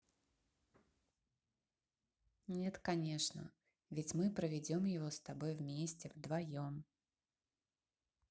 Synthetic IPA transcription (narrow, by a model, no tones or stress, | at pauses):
nʲɛt̪kanʲeʂnə̰ | vʲɪt͡sʲmɨpɾəvʲɪd͡zʲomjɪvɔst̪abɔjvmʲesʲt͡sʲɛvd̪vajom